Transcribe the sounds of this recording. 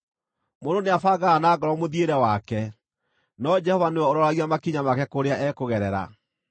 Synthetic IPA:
mononeafaɡaanaːɡɔɾɔmoðieɾɛwakɛ | nɔd͡ʒɛhɔvanewɛoɾɔɾaɣiamakiɲamakɛkoɾeaʔɛkoɣɛɾɛɾa̰

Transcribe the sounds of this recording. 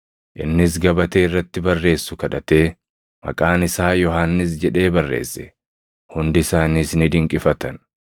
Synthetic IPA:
ʔɪnːɪs̬ɡɐbɐt̪eːɪrːɐt̪ːɪbɐrːe̞ːsːʊkɐᶑɐt̪e̞ː | mɐ̰kʼaːnɪsaːjɔɦaːnːɪs̬d͡ʒɛᶑe̞ːbɐrːe̞̰ːsːɛ̥ | hʊnd̪ɪsaːniːsnɪd̪ɪŋkʼɪfɐt̪ɐn

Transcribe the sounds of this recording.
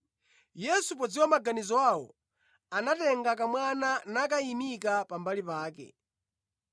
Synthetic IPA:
jɛsup̬ɔd͡ziwɔmaɡanizɔwawɔ̰ | anatɛŋɡak̬amwananak̬aimikapambalipaːkɛ̰

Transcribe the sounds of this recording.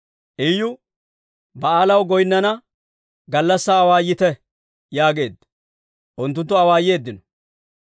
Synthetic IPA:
ʔɪjʊ | bɐaːlɐwɡɔjnːɐnɐ | ɡɐlːɐsːɐːwaːjːɪt̪ɛ | jaːɡe̞ːd̪ːɐ̥ | ʔʊnt̪ːʊnt̪̬ːʊɐwaːje̞ːd̪ːɪnɔ̥

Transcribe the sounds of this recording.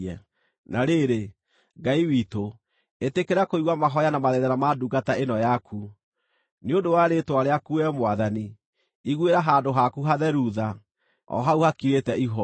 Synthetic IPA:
ɛ | naɾeɾe | ŋɡaiwiːto | etekeɾakoiɣwamaɦɔjanamaðɛðanamaduɡataenɔjakʰu | neodowaɾetwaɾeakuɛmwaðani | iɣweɾaɦaːndoɦakuɦaðɛɾuða | ɔ̰ɦauhakiɾetɛiɦɔ

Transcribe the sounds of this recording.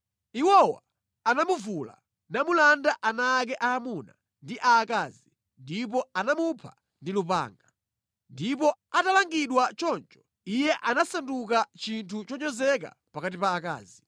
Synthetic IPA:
iwɔwa̰ | anamuvula̰ | namulandaʔanaːk̬ɛʔaːmuna̰ | ndiʔaːkazi | ndip̬ɔanamupʰa̰ | ndilupa̰ːŋɡa | ndipɔatalaŋɡiɗwat͡ʃɔnt͡ʃɔ̥ | ijɛʔanasandukat͡ʃintʰut͡ʃɔɲɔzɛka̰ | pakat̬ipaːka̰ːzi

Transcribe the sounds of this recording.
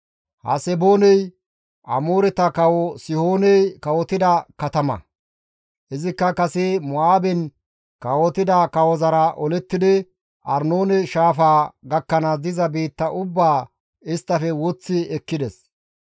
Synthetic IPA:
hɐ̰sɛboːnɛj | ʔɐ̰moːɾɛt̪ɐkɐwɔsɪhoːnɛjkɐwɔt̪ɪd̪ɐkɐt̪ɐmɐ̰ | ʔɪzɪkːɐkɐsɛmɔaːbɛn | kɐwɔt̪ɪd̪ɐkɐwɔzɐɾɐʔɔlɛt̪ːɪd̪ɪ | ʔɐɾnoːnɛʃaːfaːɡɐkːɐnɐd̪ɪzɐbiːt̪ːɐʔʊbːaː | ɪst̪ːɐfɛwɔt͡sːɪɛkːɪd̪ɛs

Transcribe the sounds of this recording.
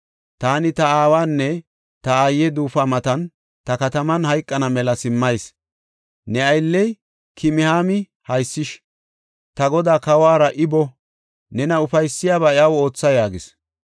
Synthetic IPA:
t̪aːnɪt̪ɐaːwaːnːɛ | t̪ɐajːɛd̪uːfamɐt̪ɐn | t̪ɐkɐt̪ɐmɐnhɐjkʼːɐnɐmɛlɐsɪmːɐjs | nɛɐjlːɛj | kʰɪmɪhaːmɪ | hɐjsːɪʃ | t̪ɐɡɔd̪aːkɐwaːɾɐʔɪbɔ | nɛnɐʊfɐjsːɪjaːbaɛɐwo̞ːt͡sːɐjaːɡɪs

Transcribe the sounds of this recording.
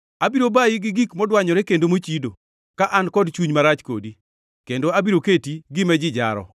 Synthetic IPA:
abiɾobajɪɡɪɡikmɔdwaɲɔɾɛkendomot͡ʃido | kaʔankɔdt͡ʃuɲmaɾat͡ʃko̰di | kendoabiɾoketiɡɪmɛd͡ʒɪd͡ʒa̰ɾɔ̰

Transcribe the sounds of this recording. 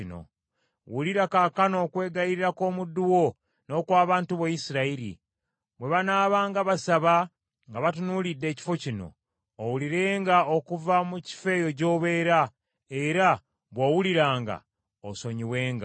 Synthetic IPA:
ino̰ | wuliɾakakano̞ːkwe̞ːɡaiɾiɾako̞ːmudːuwo̞ | no̞ːkwaːβaːntuβajisiɾaiɾḭ | βwe̞βanaːβaːŋɡaβasaβa | ŋɡaβatunulidːe̞ːci̥fo̞cino̞̰ː | wuliɾe̞ːŋɡaokuvamuci̥fe̞jo̞co̞ːβe̞ːɾa | eɾa | βwawuliɾaːŋɡa̰ | oso̞ɲiweːŋɡa

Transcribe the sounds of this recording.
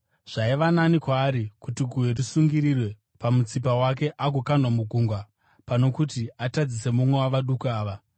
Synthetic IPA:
ʐ̥aiʋananikwaːɾikutiɡʱuwe̞risuŋɡiɾirwe̞ | pamut͡sipawak̬e̞ʔaɡʱokanwamuɡʱuŋɡwa | pano̞kutiatad͡zise̞mumwe̞waʋaɗukuaːʋa

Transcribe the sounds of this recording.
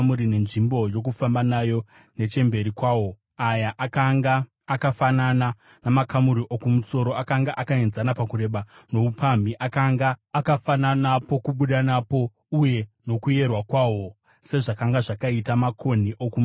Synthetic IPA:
muɾine̞nʐimbo̞jo̞k̬ufambanajo̞ | ne̞t͡ʃe̞mbe̞ɾikwawo̞ | ajaʔaŋɡaː | kafanana | namakamuɾiʔokumuso̞ɾo̞akaŋɡaʔakaenzanapakuɾe̞ɓano̞upamiʔakaŋɡaːkafananapo̞kuɓuɗanapo̞ | uje̞no̞kuje̞rwakwaːwo̞ | se̞ʐakaŋɡaʐakaitamakʰo̞n̤iʔokum

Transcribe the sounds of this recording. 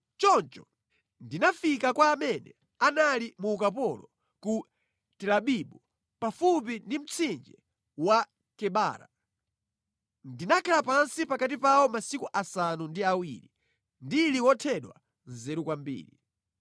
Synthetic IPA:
t͡ʃɔnt͡ʃɔ | ndinafikakwaːmɛnɛ̰ | analimuːkapɔlɔ | ku | tɛlaɓiɓu | pafupindim̩t͡sʰind͡ʒɛ | wa | kɛɓa̰ːɾa̰ | ndinakʰalapansipakatipawɔmasikuʔasanundiawḭːli | ndiliwɔtʰɛɗwa̰ | nzɛɾukwambḭːli

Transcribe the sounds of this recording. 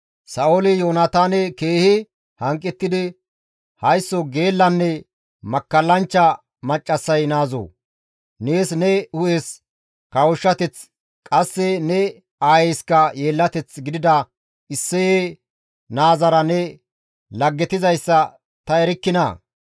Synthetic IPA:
sɐolɪjoːnɐt̪aːnɛkeːhɪ | hɐŋkʼːɛt̪ːɪd̪ɪ | hɐjsːɔɡeːlːɐnːɛ | mɐkːɐlːɐnt͡ʃːɐ | mɐt͡ʃʼːɐsːɐjnaːzo̰ | neːsnɛʊʔeːs | kɐwʊʃːɐt̪ɛt͡s | kʼɐsːɛnɛ | aːjɛjskɐje̞ːlːɐt̪ɛt͡sɡɪd̪ɪd̪ɐ | ɪsːɛjeː | naːzɐɾɐnɛ | lɐɡːɛt̪ɪzɐjsːɐ | t̪ɐɛɾɪkːɪnɐ̰

